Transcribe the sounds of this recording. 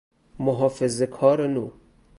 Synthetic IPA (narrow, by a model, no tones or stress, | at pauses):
moɦɔːfezekʰɔːɾenu